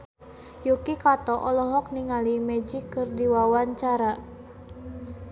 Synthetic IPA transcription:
jukikat̪ɔʔɔlɔɦɔk̚niŋalimɛd͡ʒikɨrdiwawaɲt͡ʃaɾa

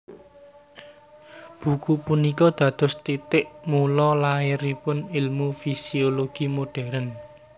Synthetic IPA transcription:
b̥ṳkupunikɔd̪̥ä̤d̪̥ʊ̤st̪it̪ɪʔmulɔlaɪɾipʊnilmufisioloɡ̥imoɖ̥ɛ̤ɾən

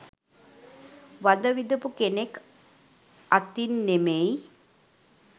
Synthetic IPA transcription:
ʋad̪əʋid̪upukenek | at̪inːemej

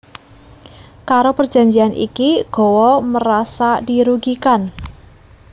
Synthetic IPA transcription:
kaɾopərd͡ʒ̥a̤ɲd͡ʒianʔḭkiɡ̥ɔ̤wɔməɾasadiɾuɡikan

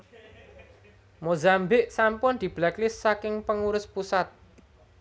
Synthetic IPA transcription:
mozambɪʔsampʊnd̪̥i̤b̥lɛklɪsːakɪŋpəŋuɾʊspusat̪̚

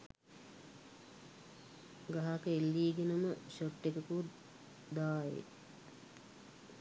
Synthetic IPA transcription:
ɡaɦakəelːiːɡenəməɕoʈːekəku | d̪aːjḛ

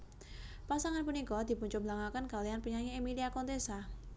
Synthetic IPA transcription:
pasaŋanpunikɔd̪̥i̤puɲt͡ʃʊblaŋakənkalijanpəɲaŋiemiliakɔnt̪esa

